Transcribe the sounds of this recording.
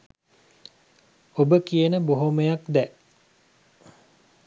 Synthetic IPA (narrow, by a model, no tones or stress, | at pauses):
obəkijənəboɦoməjakd̪ɛ